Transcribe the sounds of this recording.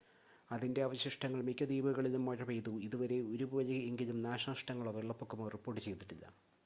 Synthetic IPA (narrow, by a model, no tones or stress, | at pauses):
ɐðinde̞ɐʋɐɕjɐʂʈɐŋːɐɭmikʲːɐd̪iːbuɣɐɭilumːɐɻɐpejt̪uiðuʋɐɾe̞oɾubʋɐlɐeŋɡilumnaːʂɐʂʈɐŋːɐɭoʋeɭːɐpːokːumoripːo̞ːrʈːɨt͡ɕe̞jt̪iʈːilːɐ̰